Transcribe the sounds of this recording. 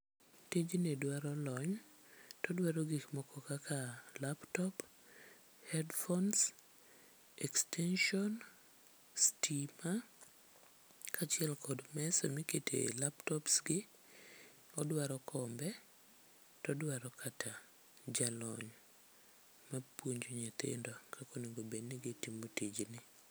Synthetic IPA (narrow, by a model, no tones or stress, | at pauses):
ted͡ʒinedwaɾɔlɔɲ | tɔdwaɾɔɡikmɔkɔkakʰalaptɔp | hɛdfɔns | ɛkstɛnʃɔn | stima | kʰat͡ʃɪɛlkʰɔdmɛsɔmiketʰḛlaptɔpsɡɪ | ɔdwaɾɔkʰɔmbɛ | tɔdwaɾɔkʰata | d͡ʒalɔɲ | mapwoɲd͡ʒoɲat̪ɪ̰ndɔkʰakoneɡobenːɪɡɪtimotid͡ʒnɪ